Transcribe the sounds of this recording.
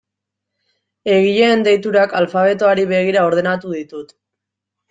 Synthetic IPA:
e̞ɣiʎeːnd̪e̞jt̪uɾakalfaβ̞e̞t̪oaɾiβe̞ɣ̞iɾao̞ɾð̞e̞nat̪uðit̪ut̪

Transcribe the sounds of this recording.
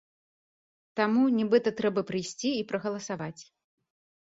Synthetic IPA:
t̪amunʲɛbɨt̪ɐt̪ɾɛbɐpɾɨjsʲt͡sʲiːpɾɐɣɐlˠɐsavat͡sʲ

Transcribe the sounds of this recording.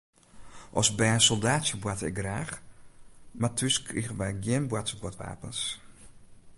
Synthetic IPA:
ʔɔsbɛjəsolˠdaːtsjəbwatɪk̚ɡraːx | matʰʏskriɣənʋɛjɡjɪnbwatsəbwɔtʋa̰ːpəns

